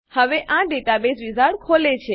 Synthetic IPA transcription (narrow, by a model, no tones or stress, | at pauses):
həʋeʔãɖeʈabesʋizʱaɽkʰolet͡ʃʰe